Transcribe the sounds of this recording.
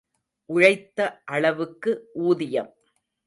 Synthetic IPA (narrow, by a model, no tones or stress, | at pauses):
ʔʊɻɐɪt̪ːɐʔɐɭɐʋɯkːɯʔuːðɪjɐm